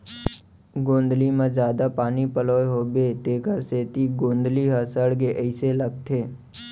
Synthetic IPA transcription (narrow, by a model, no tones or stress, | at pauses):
ɡõːnd̪limẽzjaːd̪apaːnipəloːeɦoːbeːt̪eːkəɾseːt̪iɡõːnd̪liɦəsəɽɡeʔəɪseləɡ̚t̪ʰeː